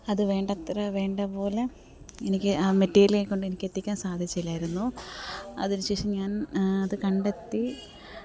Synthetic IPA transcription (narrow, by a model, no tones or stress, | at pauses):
ɐðɨʋe̞ːɳɖɐt̪rɐʋe̞ːɳɖɐpo̞ːle | enikʲːɨaːmetːeːileːkːo̞ɳɖɨe̞nikʲːe̞t̪ːikʲːaːnsaːd̪ʱit͡ɕːilːaːjiɾunːu | ɐ̰ðinɨɕe̞ːʂiɲaːnɐðɨkɐɳɖet̪ːi